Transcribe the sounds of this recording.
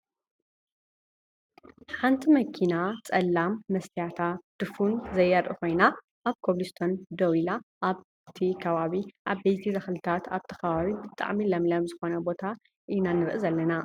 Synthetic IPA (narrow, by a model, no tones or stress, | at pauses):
ħant̪ʰimɐkʰinat͡sʼɐlːamːɐst̪ʰijat̪ʰad̪̥ɨfunzɐjɐɾʔɨ̰ko̞jna | ʔaβkʰoβlist̪ʰo̞nd̪owilaʔaβ | t̪ʰikʰɐβaβiʔaβbɐjt̪ʰizɐxlɨt̪ʰat̪ʰaβt̪ʰɐ̥kɐβaβibɨt̪ʼa̰ʕmilɐmlɐmzɨxo̞nɐbo̞t̪ʰa | ʔinanɨɾʔɨzɐlːɐna